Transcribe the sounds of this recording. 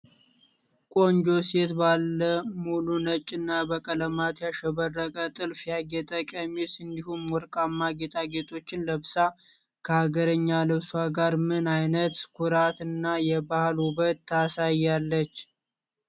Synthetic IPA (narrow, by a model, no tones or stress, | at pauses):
kʼo̞nd͡ʒo̞se̞t̪balːəmulunət͡ʃʼːɨnːabəkʼələmat̪jaʃɛβərːəkʼət̪ʼɨlfjaɡɛt̪ʼəkʼəmisɨnd̪ihumwɔɾkʼamːaɡe̞t̪ʼʰaɡe̞t̪ʼo̞t͡ʃːɪnləβsa | kʰəhaɡəɾəɲːaləβswaɡaɾmɨnajnət̪kʰuɾat̪ɨnːajɛbahlhuβət̪ʰːasajːalːət͡ʃː